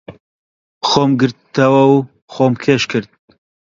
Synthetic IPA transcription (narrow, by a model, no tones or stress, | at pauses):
xoːmɡɨɾt̪ɐwɛw | xoːmkʰeːʃkʰɨɾt̪̚